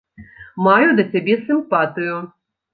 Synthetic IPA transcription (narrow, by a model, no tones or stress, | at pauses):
majud̪ɐt͡sʲabʲɛsɨmpat̪ɨjʊ